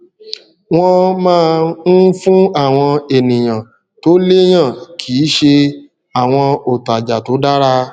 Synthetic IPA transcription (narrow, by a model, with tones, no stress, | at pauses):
w̃ɔ̃˧mãː˦˧n̩˦fũ˦a˦˨w̃ɔ̃˧e˨nĩ˨j̃ã˨ | to˦le˦j̃ã˦˨kʰiː˨˦ʃe˧ | a˨w̃ɔ̃˧o˨ta˨d͡ʒa˨to˨˦da˦ɾa˦˧